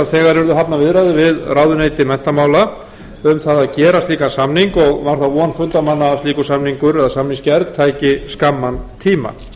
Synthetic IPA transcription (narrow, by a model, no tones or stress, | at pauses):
aðθɛːɣaɾɛɾðʏɦapnavɪðɾaðɪvɪðraːwðʏneːjt̪ɪmɛn̥t̪amaːwla | ʏmθaðaðcɛːɾast̪liːkansamniŋkɔɣmaɾ̥θaɔnfʏnt̪amanːat̪iːkʏsamniŋkʏɾɛðasamniŋscɛɾðt̪ʰaːjcɪskamːant̪ʰiːma̰